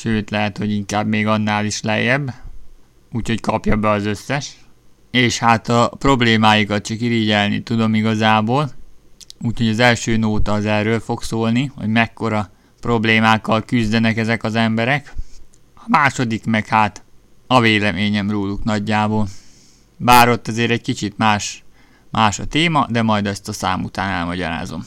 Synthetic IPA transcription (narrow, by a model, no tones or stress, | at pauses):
ʃøːt̪lɛɦɛt̪ho̞ɟiŋkaːbmeːɡɒnːaːliʃlɛ̰jːɛb | uːcho̞ckɒpjɒbɛɒzø̞sːɛʃ | eːʃhaːt̪ɒpro̞bleːmaːjukɒt̪̚t͡ʃɒkiɾiɟɛlnḭt̪ud̪o̞miɡɒzaːboːl | uːcho̞ɟɒzɛlʃøːnoːt̪ɒzɛrøːlfo̞ksoːlniho̞̰ɟmɛkːo̞ɾɒ | pro̞bleːmaːkːɒlkyzd̪ɛnɛkɛzɛkɒzɛmbɛɾɛk | ɒmaːʃo̞d̪ikmɛkhaːt̪ | ɒveːlɛmeːɲɛmroːluknɒɟːaːboːl | baːɾo̞t̪ːɛzeːɾɛc̚kit͡ʃit̪maːʃ | maːʃɒt̪eːmɒd̪ɛmɒjd̪ɛst̪ɒsa̰ːmṵt̪aːnɛlmɒɟɒ̰ɾa̰ːzo̞̰m